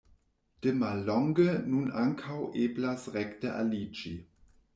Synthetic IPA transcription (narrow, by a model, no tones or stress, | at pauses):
d̥əmalɔŋɡənunaŋkʰawʔeːblasʁɛktəʔa̰lit͡ʃi